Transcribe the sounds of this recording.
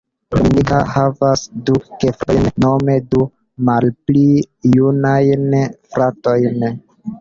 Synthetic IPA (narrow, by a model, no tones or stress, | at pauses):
lḭnika̰havasdukefɾo̰jnnome̞du | malpli | junajnfɾato̞jn